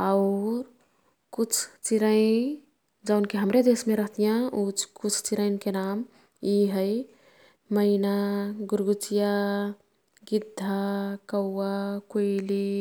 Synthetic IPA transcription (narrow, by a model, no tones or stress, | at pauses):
aʊɾ | kut͡ʃʰt͡ʃiɾəɪn | d͡ʒaʊnkeɦəmɾed̪esmeɾəɦt̪ijãut͡ʃkut͡ʃʰt͡ʃiɾəɪnkenam | jiɦə | məɪnaɡuɾɡut͡ʃija | ɡid̪ʱːakəwːakoɪli